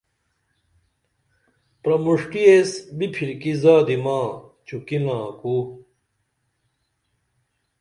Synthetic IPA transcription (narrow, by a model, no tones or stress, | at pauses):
pɾɐmuʂʈiesbipʰiɾkizaːd̪imaːt͡ɕʰukilãːku